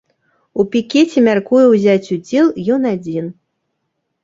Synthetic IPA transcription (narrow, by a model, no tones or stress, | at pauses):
upʲikʲet͡sʲɛmʲarkujɛwzʲat͡sʲud͡zʲɛlˠjɔnad͡zʲin